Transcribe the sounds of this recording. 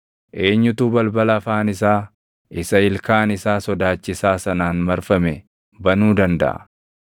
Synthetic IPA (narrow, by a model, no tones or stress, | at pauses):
ʔe̞ːɲːʊt̪uːbɐlbɐlɐfaːnɪsaː | ɪsɐɪlkaːnɪsaːsɔd̪aːt͡ʃːɪsaːsɐnaːnmɐɾfɐmɛ | bɐnuːd̪ɐnd̪ɐ̰ʔɐ̰